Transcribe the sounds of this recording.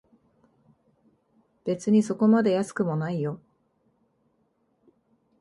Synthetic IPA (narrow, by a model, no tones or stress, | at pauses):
b̥e̞t͡sɨɲ̟iso̞ko̞mad̪e̞jasɨ̥kɯ̟mo̞naijo̞